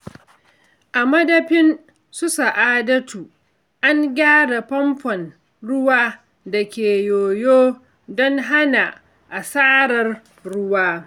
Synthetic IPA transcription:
ʔa˨mɐ˦dɐ˦ɸɪ˦n | sʊ˦sa˨ʔaː˦dɐ˦tuː˨ | ʔa˦ŋɡʲaː˦da˨ɸɐ˦mɸɔ˨n | ɽʊ˦waː˦ | da˨kʲeː˨joː˨joː˦ | dɔ˦ŋɦa˦na˨ | ʔa˨saː˦ɽɐ˨r | ɽʊ˦waː˦

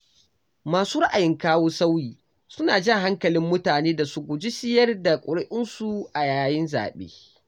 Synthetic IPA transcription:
maː˨suː˦ɾa˦ʔa˨jɪ˦ŋkaː˦woː˦sa˦wjiː˨ | sʊ˦naː˨d͡ʒɪ˦ŋɦa˦ŋkɐ˨lɪ˦mːʊ˦taː˨neː˦da˨sʊ˦ɡʷʊ˨d͡ʒɪ˦sɪ˦jɐ˦rda˨kʷʼʊ˨ɽɪ˦ʔɪ˦nsu˦ʔa˨jaː˨jɪ˦nza̰ː˨ɓḛː˦

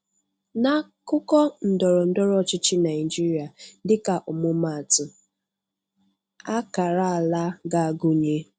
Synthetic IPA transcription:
na˦kʊ˦kɔ˦n̩˨dɔ˨ɾɔ˨n̩˦dɔ˦ɾɔ˦˨t͡ʃɪ˦t͡ʃɪ˦na˨ɪ˨d͡ʒi˦ɾi˦a˨dɪ˦ka˨ʔʊ˨mʊ˦ma˨tʊ˨ | a˦ka˨ɾa˦a˨la˦ɡa˦a˨ɡʊ˦ɲe˦

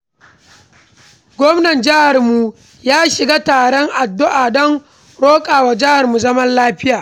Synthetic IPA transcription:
ɡʷɔ˦mnɐ˨nd͡ʒɪ˦ha˨rmu˨ | jaː˦ʃɪ˨ɡaː˦taː˨ɽɔ˦ŋʔa˨dːʊ˦ʔaː˨ɗɐ˦ŋ | ɽoː˦kʼaː˨wa˨d͡ʒɪ˦ha˨rmu˨zɐ˦mɐ˦nlaː˦ɸɪ˦jaː˨

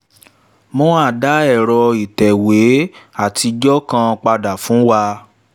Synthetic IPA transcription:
mõ˧˦a˦˨da˨˦ɛ˦˨ɾɔ˧i˨tɛ˨we˨˦a˦˨ti˧d͡ʒɔ˦kã˧k͡pa˧da˨fũ˨˦wa˧

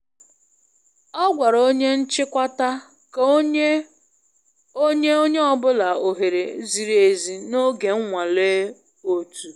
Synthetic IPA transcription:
ɔ˦ɡʷa˨ɾo˦ɲe˦n̩˦t͡ʃɪ˦kʷa˦ta˦ | k | o˦ɲe˦o˦ɲe˦ɔ˦bʊ˦la˨o˨ɦe˨ɾe˨˦zi˨ɾe˨zi˨no˦ɡe˨ŋ̩˦ŋʷa˨le˦ | o˦tu˨

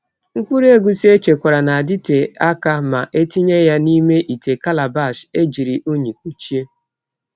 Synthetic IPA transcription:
ŋ̩˦k͡pu˦ɾe˦ɡu˦si˦e˦t͡ʃe˨kʷa˨ɾa˨na˨a˨dɪ˦te˨a˦ka˦ma˨ʔe˦ti˦ɲe˦ja˦ni˦me˦ʔi˨te˨ka˦la˨ba˦˨ʃe˦d͡ʒi˨ɾi˨ʔo˦ɲi˨k̚ʷu˦t͡ʃi˦e˦

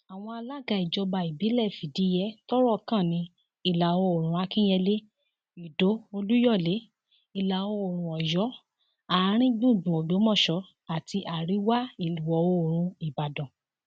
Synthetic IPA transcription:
a˨w̃ɔ̃˧a˧la˦˨ɡa˧˨i˨d͡ʒɔ˧ba˧˨i˨bi˨˦lɛ˦˨fi˨di˨˦jɛ˦tɔ˦ɾɔ˦˨kã˦˨nĩ˧ | i˦˨la˨o˧o˨ɾ̃ũ˨˧˦a˧kĩ˦jɛ˧le˦ | i˨do˨˦o˧lu˦jɔ˦˨le˨˦ | i˨la˨o˧o˨ɾ̃ũ˨ɔ˨jɔ˨˦ | a˨˦ɾ̃ĩ˦ɡ͡bũ˦˨ɡ͡bũ˨o˨bo˨˦mɔ̃˦˨ʃɔ˨˧˦ | a˨ti˧ʔa˨ɾi˨˦wa˦i˨lu˨wɔ˨o˧˨ɾ̃ũ˧i˨ba˨dɔ̃˨

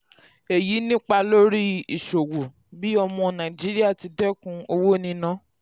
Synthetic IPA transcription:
e˨ji˨˦nĩ˦k͡pa˧lo˦ɾi˦i˨ʃo˨wo˨ | bi˦ɔ˧mɔ̃˧nã˨d͡ʒi˨˦ɾi˦a˦˨ti˧dɛ˦kũ˧o˧wo˦nĩ˧nã˦

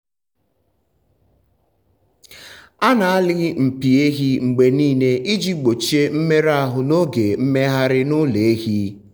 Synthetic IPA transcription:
a˦na˨a˦lɪ˦m̩˨pi˨e˦ɦi˦ŋ͡m̩˨ɡ͡be˨niː˦˨ne˦ʔi˦d͡ʒi˦ɡ͡bo˨t͡ʃe˦m̩˦me˦ɾa˦˨ɦʊ˨no˦ɡe˨m̩˦me˦ɦa˦ɾɪ˦nʊ˦le˨e˦ɦi˦

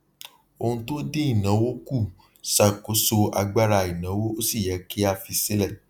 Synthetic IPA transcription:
o˧hũ˧to˦de˦i˦˨nã˨˦wo˦ku˦˨ | sa˦˨ko˨˦so˧a˧ɡ͡ba˦ɾa˧i˨nã˨˦wo˦o˦si˦˨jɛ˨˦ki˦a˧fi˧se˦lɛ˦˨

